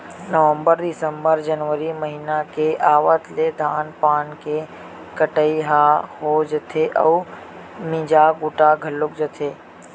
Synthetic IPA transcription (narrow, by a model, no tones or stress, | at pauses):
nəʋə̃mbəɾd̪ɪsəmbəɾd͡ʒənʋəɾiməɦinakeʔaːʋət̪led̪ʱaːnpaːnke | kəʈəiɦahod͡ʒət̪ʰeʔəu | mĩd͡ʒaɡʊʈaɡʱəlʊkd͡ʒət̪ʰe